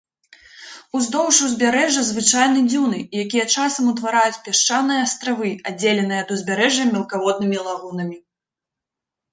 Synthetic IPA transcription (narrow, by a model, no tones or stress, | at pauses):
uzd̪ɔwʂuzʲbʲaɾɛʐɐzvɨt͡ʂajn̪ɨd͡zʲiwnɨːjakʲijɛt͡ʂasɐmut̪vaɾajut͡sʲpʲaʂt͡ʂanɨjɐːst̪ɾavɨad͡zʲːelʲɛnɨjɐd̪uzʲbʲaɾɛʐjɐmʲɛlˠkavɔd̪̚nɨmʲilˠaɣunɐmʲi